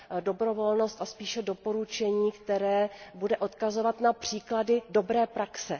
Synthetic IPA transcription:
do̞bɾovo̞lno̞st̪aspiːʃɛdo̞po̞ɾut͡ʃɛɲiːkt̪ɛɾɛːbudɛʔo̞t̪kazo̞vat̪napr̝̥iːkladɪdo̞bɾɛːpɾaksɛ

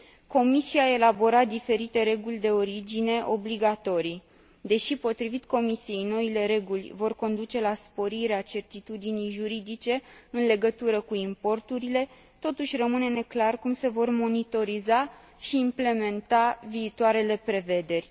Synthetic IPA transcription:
ko̞misiae̞labo̞ɾad̪ife̞ɾit̪e̞ɾe̞ɡulʲd̪e̞o̞ɾid͡ʒine̞ʔo̞bliɡat̪o̞ɾij | d̪e̞ʃipo̞t̪ɾivit̪ko̞misije̞jno̞ile̞ɾe̞ɡulʲvo̞rko̞nd̪ut͡ʃe̞laspo̞ɾiɾeat͡ʃe̞rt̪it̪ud̪inijʒuɾid̪it͡ʃe̞ɨnle̞ɡət̪uɾəkuimpo̞rt̪uɾile̞ | t̪o̞t̪uʃʲrəmɨne̞ne̞klarkumse̞vo̞rmo̞nit̪o̞ɾiza | ʃiːmple̞me̞nt̪aviːt̪waɾe̞le̞pɾe̞ve̞d̪e̞rʲ

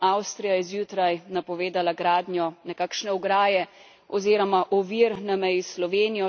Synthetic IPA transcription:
awst̪ɾijajɛzjuːt̪ɾajnapɔʋeːd̪alaɡɾaːd̪njɔnɛkakʃnɛɔɡɾaːjɛ | ɔziːɾɔmaʔɔʋiɾnamɛjislɔʋeːnijɔ

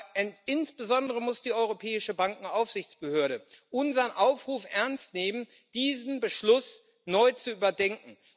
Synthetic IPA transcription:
ɛɪnsb̥əzɔndəʁəmʊsd̥iːɔʏʁ̞opʰɛːɪʃəbaŋkŋ̩aʊfz̥ɪçt͡sb̥əhøːɐɾəʔʊnzɐnʔaʊfʁ̥uːfʔɛɐnstneːmən | d̥iːzn̩bəʃlʊs | nɔʏt͡suʔyːbɐdɛŋkŋ̩

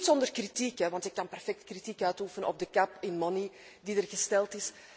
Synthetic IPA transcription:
tsɔndərkritikɛʋɑntɪkːɑnpɛrfɛk̚tkritikœɥtufənəɔ̰b̚dəkɑpɪnmɔni | didərɣəstɛlˠtɪs

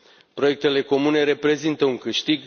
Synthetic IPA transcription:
pɾo̞je̞k̚t̪e̞le̞ko̞mune̞ɾe̞pɾe̞zint̪əuŋkɨʃt̪iɡ

